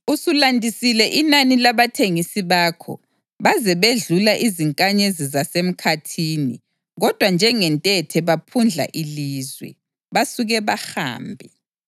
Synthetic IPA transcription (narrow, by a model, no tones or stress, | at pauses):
usulandʱisilɛʔinanilaβatʰeŋisiβaːkʰɔ̰ | βazɛβeɮulaʔiziŋkʼaɲezizasem̩kʰatʰiːni | ɣɔd̥ʱwand͡ʒʱɛŋɛntʼɛtʰɛβapʰund͡ɮʱa̰ʔiliːzwɛ̰ | βasuɣɛβaha̰ːmbʱi